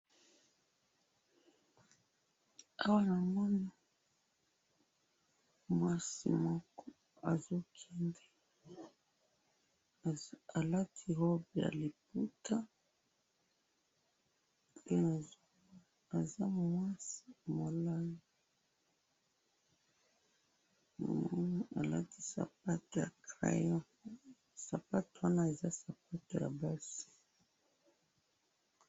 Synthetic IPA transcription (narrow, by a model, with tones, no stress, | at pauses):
a˦wa˦na˨mɔ˦na˨ | mwa˦sḭ˨mɔ˦kɔ˦ | a˨zo˦kʰɛ˦ndɛ˨ | a˨la˦tʰi˨hɔ˦bi˨ja̰˨li˨p̚u˦tʰa˦ | ke˦na˨ | a˨za˦mwa˦si˦mo˨la˦˨ | a̰˨la̰˦ti˦sa̰˨pa˦to˨ja˨kʁa̰˦jɔ˦ | sa˨pa˦to˨wa˦na˦e˨za˦sa˨p̚a˦to˨ja̰˨ba˦si̥˨